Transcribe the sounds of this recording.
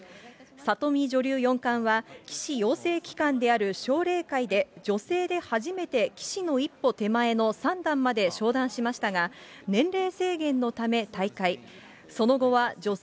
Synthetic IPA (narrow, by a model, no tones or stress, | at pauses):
sat̪o̞mʲiʑo̞ɾʲɨːjõ̞ŋkãɰ̃βakʲi̥ɕijo̞ːse̞ːkʲi̥kãnd̪e̞aɾɯ̟ɕo̞ːɾe̞ːkaid̪e̞d͡ʑo̞se̞ːd̪e̞haʑime̞t̪e̞kʲi̥ɕino̞ipːo̞t̪e̞mae̞no̞sãnd̪ãmːad̪e̞ɕo̞ːd̪ãɰ̃ɕimaɕi̥t̪aɡanẽ̞nɾe̞ːse̞ːɡẽ̞nːo̞t̪ame̞t̪aikai | so̞no̞ɡo̞βad͡ʑo